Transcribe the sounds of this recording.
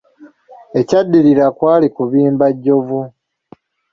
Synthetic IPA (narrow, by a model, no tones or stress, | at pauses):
e̞cadːiɾiɾakwaːlikuβiːmbaɟːo̞vu